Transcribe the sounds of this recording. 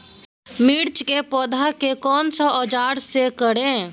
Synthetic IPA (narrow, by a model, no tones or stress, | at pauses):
miːɾt͡ʃkepɔːd̪ʱakekɔːnsɔʔɔːd͡ʒaːɾsekəɽẽː